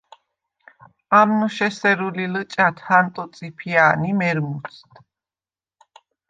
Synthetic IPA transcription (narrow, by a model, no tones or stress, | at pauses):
amnɔʃɛsɛɾulilət͡ʃʼat̪ʰhant̪ʼɔt̪sʼipʰianimɛɾmut̪sʰt̪ʰ